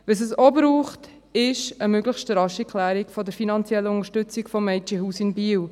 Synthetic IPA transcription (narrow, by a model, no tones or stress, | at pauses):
ʋəs̬əsobɾuːχt | ɪʃəmøɡləχʃtɾɑʃikʰlæːɾikfɔdəɾfinɑnt͡sjɛlːəʊŋəɾʃtʏt͡sɪɡfɔmɛɪt͡ʃihuːsɪnbiːw